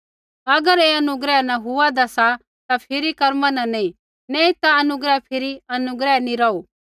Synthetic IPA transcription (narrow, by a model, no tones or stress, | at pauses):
ɐɡəɾeɐnʊɡɾɛnãɦʊad̪ɐsa | t̪apʰɪɾikɐɾmãnãnɐ̃ĩ | nɛĩt̪aɐnʊɡɾɛpʰɪɾiɐnʊɡɾɛnĩɾɐuː